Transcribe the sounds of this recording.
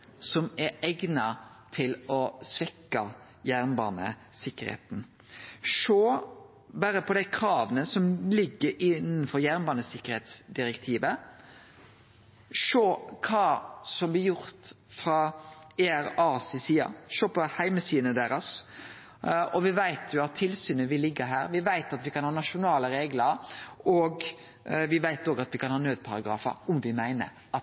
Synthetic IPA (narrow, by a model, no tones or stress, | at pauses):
sɔmɛɾɛɡnɑ | t̪ʰɪlɔsʋɛkːɑ | jæɾnbɑ̰ːnə̰ | sɪkːəɾhḛːt̪n | ʃoː | bɑːɾəpʰɔd̪æɪkʰɾɑːʋənəsɔmlɪɡːəɾɪnnfɔɾjæʁnbɑːnəsɪkːəɾheːt̪sd̪ɪɾɛkt̪ʰiːʋə | ʂoːkʰɑːsɔmblɪjʊɾt̪ | fɾɑeæɾɑsɪsiːɑ̰ʃoːpʰɔhæɪməsiːd̪ənəd̪eːɾɑs | ɔʋɪʋæɪt̪ʰjʊɑt̪ʰːɪlsyːnəʋɪlːɪɡːəɦæ̰ːɾʋɪʋæɪt̪ɑt̪ʋɪkɑnhɑːnɑʃʊnɑːləɾeːɡləɾɔɡ | ʋɪʋæɪt̪oːɡɑt̪ʋɪkʰɑnhɑːnøːd̪̚pʰɑɾɑɡɾɑ̰ːfə̰ɾʊmʋɪmæɪnə̰ɾ | ɑt̪